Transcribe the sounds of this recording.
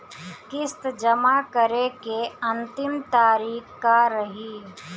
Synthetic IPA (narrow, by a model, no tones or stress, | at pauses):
kɪst̪d͡ʒəmakəɾekeɐ̃nt̪ɪmt̪aːɾiːkkaɾəɦiː